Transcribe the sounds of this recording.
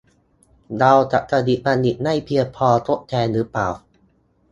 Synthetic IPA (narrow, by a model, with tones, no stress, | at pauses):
da˧wt͡ɕa̰˨˩ʔka˧di˨˩ʔba˧ni˨˩t̪̚na˥˩jpʰi˧əpʰɔː˧t̪ʰo˦˥ʔ̚t̪ʰɛː˧nɾɯ˨˦pla̰ː˨˩w